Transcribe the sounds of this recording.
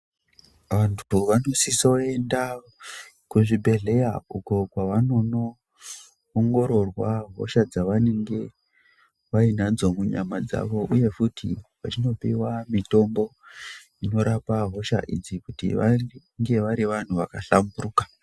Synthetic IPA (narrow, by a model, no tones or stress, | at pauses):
ʋantʰuʋano̞sisae̞nda | kuʐibʱe̞ɮe̞jauko̞kwaʋano̞no̞ː | ŋɡo̞ɾo̞rwaɦo̰ʃad͡zaʋane̞ŋɡe̞ | ʋainad͡zo̞muɲamad͡za̰ʋo̞ʔuje̞futʰḭʋat͡ʃino̞pḭwamito̞mbo̞ | ino̞ɾapaɦo̞ʃa̰ʔḭd͡zikutḭʋa | ŋɡe̞ʋaɾiʋan̤uʋakaɬamburuːkḁ